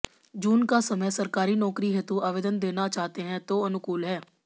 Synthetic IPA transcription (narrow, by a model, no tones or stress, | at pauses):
d͡ʒuːnkaːsəməsəɾkaːɾiːnɔːkɾiːɦet̪õːʔaːʋeːd̪ənd̪eːnaːt͡ʃaːɦt̪eːɦɛ̃ːt̪oːənʊkuːlɦɛː